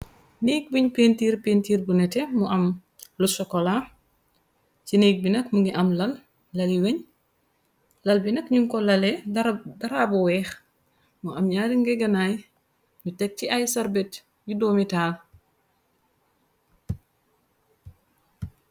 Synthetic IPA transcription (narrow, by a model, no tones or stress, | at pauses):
nek̚biɲpentiːɾpeːntiːɾbunɛtɛmuʔɐm | lusɔkːɔla | cinejk̚binɐkmuŋɡiʔɐmlɐlː | ɐliweɲ | lɐlbinɐkɲuŋkɔlɐlɛdɐɾaːbɔwɛːx | muʔɐmɲaːɾiŋɡɛɡɐnaːj | mutɛk̚ciʔɐjsɐɾbɛt | judoːmitaːl